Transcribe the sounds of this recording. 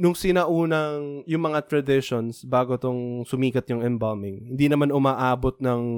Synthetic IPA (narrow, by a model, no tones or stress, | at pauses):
nʊŋsɪnɐʔuːnɐŋjʊŋmɐŋat̪ɾɐd̪ɪʃonsbaːɡot̪oŋsʊmiːkɐt̪̚jʊŋɛmbɐlmɪŋhɪnd̪inɐmanʊmaːʔaːbot̪̚nɐŋ